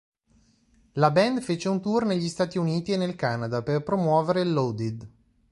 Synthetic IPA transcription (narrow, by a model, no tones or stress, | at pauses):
labɛnd̪fet͡ʃeunt̪urneʎːist̪aːt̪iuniːt̪ienːelkanad̪aperpɾomwɔːveɾelːod̪id̪